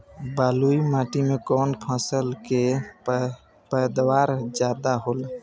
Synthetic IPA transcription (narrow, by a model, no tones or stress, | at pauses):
baːluimãːʈimekɔnpʰãsəlke | pəd̪waːɾd͡ʒjaːd̪aɦol